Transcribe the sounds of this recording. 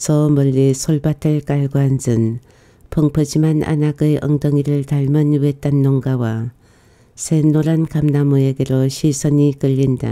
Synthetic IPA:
sʌmʌʎːisʰoɭbatʰɯɭkaɭɡoand͡ʑɯn | pʰʌŋpʰɯd͡ʑimana̰naɡɯjʔʌ̰ŋdʌŋiɾɯɭtaɭmɯnwet͈anːoŋɡawa | sʰenoɾankamnamɯeɡe̞ɾoɕʰisʰʌnikɯʎːinda̰

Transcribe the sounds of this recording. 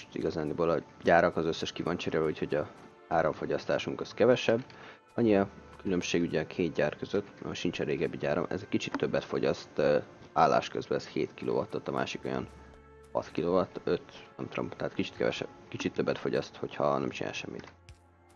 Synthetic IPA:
t̪ḭɡɒzaːnibolɒɟaːɾɒkɒzøsːɛʃkivɒnt͡ʃiɾevucho̞ɟɒ | aːɾoɱfo̞ɟɒst̪a̰ːʃuŋkɒskɛvɛʃɛbː | ɒɲiɒkylø̞mʃeːɡyɟɛːkʰeːt̪ɟaːrkøzøt̪ːʃint͡ʃɛreːɡɛbːiɟaːɾo̰mʔɛ̰zɛckit͡ʃit̪ʰːøbːɛt̪fo̞ɟɒst̪aːlːa̰ːʃkøzbɛːsheːt̪kilo̰ːvɒt̪ːot̪ːɒmʔa̰ːʃiko̞jɒ̰n | hɒ̰t̪kiloːvɒt̪ːøt̪ɛmt̪ro̰mt̪ɛɦaːt̪kit͡ʃi̥t̪kɛ̰vɛ̰ʃɛ̰bkit͡ʃit̪ːøbːɛt̪fo̞ɟɒst̪ho̞chɒnɛ̰mt͡ʃina̰ːjʃɛmːḭt̪

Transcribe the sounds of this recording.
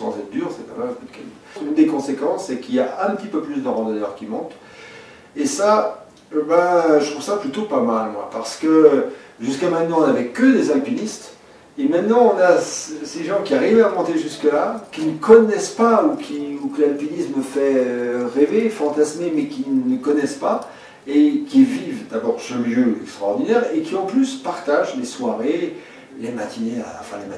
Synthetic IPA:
sɑ̰̃zɛt̪χd̪yʁsɛpamalkut̪̚kɛ̰l | ynd̪ekɔ̃sekɑ̃sːɛkiljaɛ̃pət̪ipøplysd̪əʁɑ̃d̪əd̪œ̰ʁkʲimɔ̃t̪ | esa | baʒət̪χuvsaplyt̪opamalmwa̰paʁsə̥kəʒyskamɛ̃t̪nɑ̃ɔ̃navɛkəd̪ezalpinist̪ | emɛ̃t̪nɑ̃ɔ̃nasseʒɑ̃kʲiaʁivamɔ̃t̪eʒyskəlakʲinəkɔnɛspaukʲʰiukəlalpinistməfɛøʁevefɑ̃t̪asmemɛkʲinəkɔnɛspa | ekʲivivd̪abɔʁsəljøɛkst̪χaɔʁd̪inɛʁekʲiɑ̃plyspaʁt̪aʒleswaʁe | lemat̪ʰineã̰fɛ̰̃lema

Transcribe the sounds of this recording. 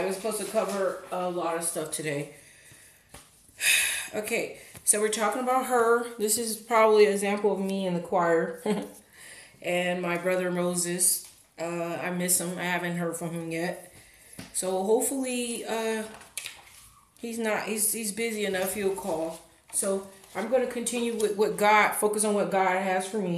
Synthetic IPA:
aɪwʌzsə̥pʰoʊz̥tʰɨkʰʌvə˞əlɔɾʌv̥stʌftʰɨɾeɪ | o̰ʊkʰeɪsoʊwɨɹtʰɔkɪ̃ŋəbaʊt̚ɦə˞ðɪsɨzpʰɹ̥ɑbəbliɨɡzæ̃mpl̩ˠʌvmiɨ̃nðɨkʰw̥aɪə˞ | ʔɨ̃nmaɪbɹʌðə˞moʊzɨs | ʔʌa̰ɪmɪsə̃ma̰ɪhævɨ̃nʔɦɜ˞d̥fɹʌ̃mɨ̃mjɛt̚ | soʊɦoʊpfl̩ˠiʌ | hiznət̚hizhizbɪziɨnʌfjul̩ˠkʰɔlˠ | soʊʔãɪ̃mɡʌnɨkʰɨ̃ntʰɪ̃njʉwɪðwʌt̚ɡ̥ɑd̥foʊkɨsn̩wʌt̚ɡ̥ɑd̚ɨz̥fə˞mi

